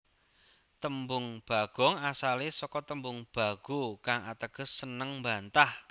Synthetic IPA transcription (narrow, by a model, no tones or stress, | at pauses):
t̪əmbʊŋb̥a̤ɡ̥ɔ̤ŋasalesɔkɔt̪əmbʊŋb̥a̤ɡ̥ukaŋʔat̪əɡ̥ə̤sːənəŋmbant̪ah